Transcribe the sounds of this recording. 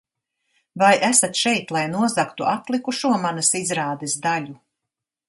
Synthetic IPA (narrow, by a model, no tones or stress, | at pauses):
vajæsat̪ʃɛjt̪lˠajnuɔzakt̪uʔat̪lˠikuʃuɔmanɐsizɾaːd̪ɛsd̪alʲu